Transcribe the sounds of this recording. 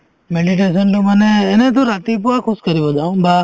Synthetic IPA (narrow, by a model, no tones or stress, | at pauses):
meɖiʈ̬eːs̬ənloməneeːnẽt̪̬oɾaːt̪ip̬ʊakʰʊskəɾiʋod͡ʒaːũbaː